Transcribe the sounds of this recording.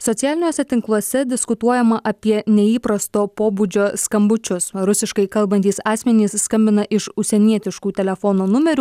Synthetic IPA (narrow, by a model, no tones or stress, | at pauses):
sɔt̪sʲɪjæːlʲɪnʲoːsʲɛt̪ʲɪŋklˠuɔsʲɛd̪ʲɪskʊt̪uɔjɛmɐʔɐpʲiɛnʲɛiːpɾɐst̪oːpoːbud͡ʒʲoːskɐmbʊt͡ʃʲʊsɾʊsʲɪʃkɐɪkɐlˠbɐnt̪ʲiːsɑːsʲmʲɛnʲiːsːkɐmʲbʲɪnɐʔɪʃʊʃsʲɛnʲiɛt̪ʲɪʃkuːt̪ʲɛlʲɛfɔnoːnʊmʲɛɾʲuː